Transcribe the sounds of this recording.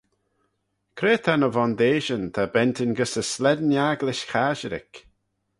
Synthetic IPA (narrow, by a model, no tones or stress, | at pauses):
kʰɾeːt̪ʰanəvɔnd̪eːʒənt̪ʰabɛnt̪ɪnɡəsəslɛd̪njaɡlɪʃxaʒəɾɪ̰k